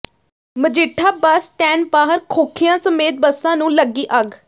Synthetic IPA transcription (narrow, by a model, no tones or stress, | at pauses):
məd͡ʒɪʈʰːaːbəsʈɛ̃ːnpaːɦəɾkʰoːkʰijãːsəmeːt̪̚bəsːãːnũːləɡːiːʔəɡ